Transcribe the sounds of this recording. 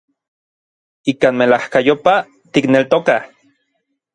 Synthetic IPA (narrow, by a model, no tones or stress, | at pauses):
ikaːnmelahkajopa | t̪iknelt̪oka